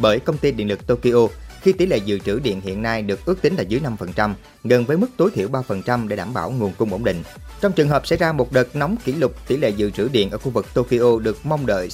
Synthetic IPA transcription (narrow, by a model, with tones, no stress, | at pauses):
ɓəː˧˩jkə˧wŋ͡mt̪i˧ɗḭ˧˨ənlɨ˨˩k̚t̪o˧ki˧ʔo˧xi˧t̪i˧˩lḛ˧˨zɨ̰˧˨t͡ɕɨ˧˩ɗḭ˧˨ənhḭ˧˨ənːa˧jɗɨ˨˩ək̚ʔɨ˦˥ək̚t̪i˨˦ŋ̟la̰ː˨˩zɨ˨˦jna˧mfə˨˩nt͡ɕa˧m | ɣə˨˩nvəː˨˦jmɨ˦˥k̚t̪o˨˦jt̪ʰḭ˧˨əwɓaː˧fə˨˩nt͡ɕa˧mɗe˧˩ɗaː˧˩˨mɓaː˧˩wŋu˨˩ənkʊ˧ŋ͡mʔə̰˧˩wŋ͡mɗḭ̈˧˨ŋ̟ | t͡ɕɔ˧wŋ͡mt͡ɕɨ˨˩əŋɦəː˨˩p̚sɛ̰˧˥jzaː˧mo˨˩t̚ɗə˨˩t̚nɔ˨˦wŋ͡mkḭ˧˩lʊ˨˩k͡p̚t̪i˧˩lḛ˧˨zɨ̰˧˨t͡ɕɨ˧˩ɗḭ˧˨ənʔəː˧˩xu˧vɨ˨˩k̚t̪o˧ki˧ʔo˧ɗɨ˨˩ək̚ma˧wŋ͡mɗə̰ː˧˨j